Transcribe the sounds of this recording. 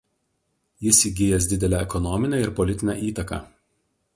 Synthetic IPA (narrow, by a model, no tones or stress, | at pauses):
jɪsiːɡʲɪjɛs̬ʲd̪ʲɪd̪ʲɛlʲæɛkɔnɔmʲɪnʲeːɪɾpɔlʲɪt̪ʲɪnʲæ̰ˑʔiːt̪ɐkɑ̰ː